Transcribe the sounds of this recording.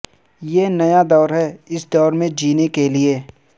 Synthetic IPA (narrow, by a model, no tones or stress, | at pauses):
jeːnɐjad̪ɔːɾɦɛɪsd̪ɔːɾmẽd͡ʒiːnekelieː